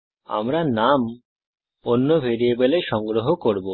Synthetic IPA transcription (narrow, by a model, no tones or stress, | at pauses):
a̰mɾanam | onːobʱeɾiebeleʃɔŋɡɾoɦokoɾbo